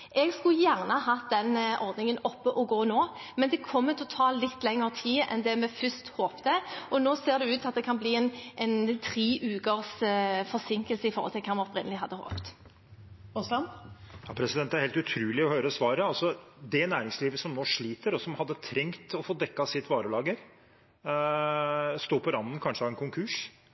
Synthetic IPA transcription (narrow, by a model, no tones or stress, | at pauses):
ʔɛɡskʉjæːʁnəɦɑd̪ɛnʔɔʁd̪nɪŋənɔpːəʔɔɡoːnoːmɛnd̪ɛkʰɔmːət̪ʰɔt̪ʰɑːllɪt̪ːlɛŋːəʁət̪ʰiːɛ̰nd̪ɛmɛfʏst̪hoːpt̪əʔɔnoːseːʁd̪ɛʉːt̪ɑt̪̚d̪ɛkʰɑnbliːɛnʔɛɪnt̪ʰʁiːʔʉːkəʁsfɔʁsɪŋkəlsəɪfɔʁhɔ̰t̪ʰɪlkʰɛːʁmɛɔpʁɪnəlɪɦɑd̪ːəho̰ːpt̪ | ʊslɑnjɑːpʰɾɛsɪd̪ɛnt̪æɾhɛːlt̪ʉt̪ʰɾʉːlɪɔhøːɾəsʋɑːɾəɑlsɔd̪ɛnæːɾɪŋsliːʋəsɔmnoːʂɭiːt̪əɾɔsɔmhɑd̪ːət̪ʰɾɛŋt̪ɔfoːd̪ɛkːɑsɪt̪ʋɑːɾəlɑːɡəɾ | st̪oːpʰɔɾɑnd̪ən̩kʰɑnʂəɑʋɛnkʰʊŋkʰʉʂ